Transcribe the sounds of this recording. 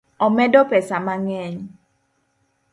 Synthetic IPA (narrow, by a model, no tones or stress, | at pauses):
ɔmɛdɔpɛsamaŋɛɲ